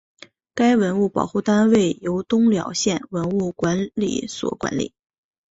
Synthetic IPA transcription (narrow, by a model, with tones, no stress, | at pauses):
ka˥ɪwə˧˥nu˥˩pɑ̰˨˩ʊxu˥˩t̪a˥nwe˥˩ɪjo˧˥ʊt̪ʊ˥ŋljɑ˨˥ʊɕjɛ˥˩nwə˧˥nu˥˩kwa˧˥nlḭ˨˩swɔ̰˨˩kwa̰˧˥nlḭ˨˩˦